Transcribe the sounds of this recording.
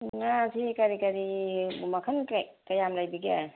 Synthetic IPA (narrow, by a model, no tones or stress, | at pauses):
ŋasʰikaɾikaɾibumakʰɐnkajamlajbiɡe